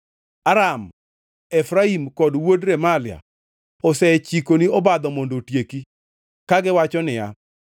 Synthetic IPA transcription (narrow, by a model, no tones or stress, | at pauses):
aɾam | ɛfɾaimkɔdwodɾemalɪja̰ | ɔsɛt͡ʃikoniɔbad̪ɔmondotjeki | kaɡɪwat͡ʃɔnɪja